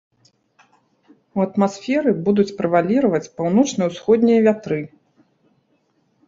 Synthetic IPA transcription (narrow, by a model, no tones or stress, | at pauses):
uɐt̪masfʲɛɾɨbud̪ut͡sʲpɾɨvalʲiɾɐvɐt͡sʲpawnɔt͡ʂnɨuwsxɔd̪̚ʲnʲijɐvʲat̪ɾɨ